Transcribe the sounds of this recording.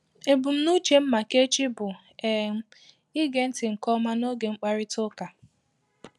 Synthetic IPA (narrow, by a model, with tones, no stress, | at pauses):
e˨bʊ˨m̩˦nu˦t͡ʃe˨m̩˦ma˨ke˦t͡ʃi˦bʊ˨ | e˨˦ | ɪ˦ɡe˨n̩˦tɪ˨ŋ̩˨kɔ˦ma˦no˦ɡe˨ŋ͡m̩˦k͡pa˦ɾɪ˦tʊ˦ka˨